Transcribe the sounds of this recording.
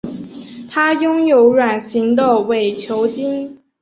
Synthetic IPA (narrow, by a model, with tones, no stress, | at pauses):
t̪ʰa˥jʊ˥ŋjo˧˥ʊɻwa˨˩nɕi˧˥ŋd̪ə˥˩we˨˩ɪt͡ɕʰjo˧˥ʊt͡ɕi˥n